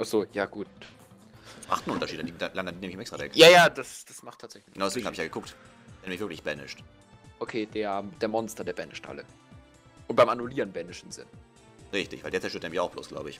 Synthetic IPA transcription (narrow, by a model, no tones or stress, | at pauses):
ʔaz̥oːjaːɡ̥uːt̚ | ma̰χtn̩ʔʊntɐʃiːtdɛndidlandɐndineːmɪçɪmʔɛstʁ̥avɛ̰kjaːjaːd̥asd̥asmaχtʰːaːtz̥ɛçlɪçɡənaʊdɛseːɡŋ̩aːɪçjaːɡəkʰʊkt | ɛːɐnmɪçvɪɐklɪçb̥ɛnɪ̰ʃt | ʔokʰeːdeːɐd̥eːɐmɔnstɐdeːɐbɛnɪ̰ʃtʔa̰lə̰ | ʔʊnt̚b̥aɪmʔanuliːʁənbɛnɪʃɪmzɪ̰n | ʁɪçtɪçvaɪldeɛɐt͡sːɛɐtøːɐtʔeːɐmɪçaʊxb̥lo̰ːsɡ̥la̰ʊbəɪ̰ç